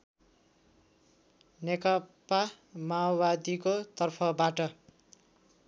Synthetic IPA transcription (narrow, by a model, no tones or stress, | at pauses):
nekʌpa | maobad̪ikot̪ʌrpʰʌbaʈʌ